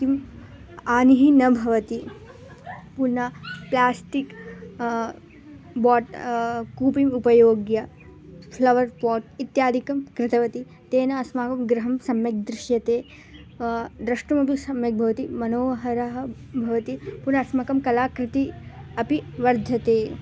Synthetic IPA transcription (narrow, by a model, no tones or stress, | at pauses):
t̪im | aːniɦinɐbʱɐʋɐt̪i | punɐplaːsʈik | baːʈkuːpimupɐjoːɡjɐ | pʰlɐʋɐɾpɔːʈ̚it̪jaːd̪ʱikɐmkɾɪt̪ɐʋɐt̪i | t̪eːnɐːsmaːkɐmɡɾɐɦɐmsɐmjɐk̚d̪ɾɪʃjɐt̪eː | d̪ɾɐʂʈɐmɐp̬isɐmjɐk̚bʱɐʋɐt̪imɐnoːɐɦɐɾɐɦɐ̆bʱɐʋɐt̪ipunɐɐsmakɐmkɐlaːkɾɪt̪iɐpiʋɐɾd̪ʱɐt̪eː